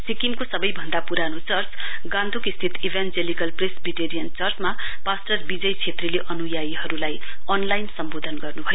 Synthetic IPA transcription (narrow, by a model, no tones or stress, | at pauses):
sikimkosʌbʌjbʱʌnd̪apuɾanot͡sʌrt͡sɡãnd̪ʱukist̪ʰit̪ibʱand͡zelikʌlpresbiʈeɾijʌnt͡sʌrt͡smapasʈʌrbid͡zʌjt͡sʰet̪rileʔʌnujaiɦʌɾulaj | ʌnlajnsʌmbod̪ʱʌnɡʌrnubʱʌjo